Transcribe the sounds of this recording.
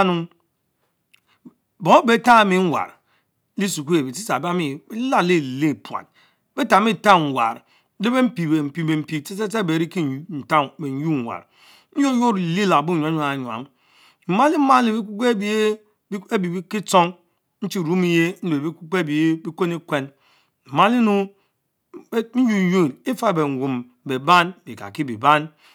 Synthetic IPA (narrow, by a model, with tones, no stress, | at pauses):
nu˦m | bo˨˦be˨˦ta˦mi˦ŋ̩˦wa̰˨ɾ | li˦su˨k̬u˦je˨bi˨si˦sa˨ba˦mi˦˨˦la˦˨li˦˨le˦˨pu˨a̰˨n | be˦ta˨m˦i˦˨ta˦˨ŋ̩˨wa̰˨ɾ | le˦be˦m̩˦pi˨be˨m̩˨pi˨be˨m̩˨pi˨te˦se˦te˦˨be˨ɾi˦ki˦˨jn̩˨ta˦be˨n̩˨˦ju˦ŋ̩˨wa̰˨ɾ | n̩˦jo˦jo˦ɾli˦la˨bu˦˨ɲ˨a˨˦ɲ˦˨ɲu˨a̰˨m˦ | m̩˨ma˦li˦ma˦li˨bi˦ku˦ke˦bi˦ | e˦bi˨bi˦ki˦t͡so˦ŋ | n̩˦t͡ʃi˦˨ɾu˦mi˦je˦n̩˦be˨˦i˦ku˦ke˦˨bi˨e˦bi˦ko˦ni˦kʷe˦n | m̩˨ma˦li˦nu˦ | n̩˦ju˦n̩˦ju˦˨ni˦fa˦˨be˨ŋ̩˨wu˨m | be˨ba˦nbi˨ka̰˨ki˦bi˨ba˦n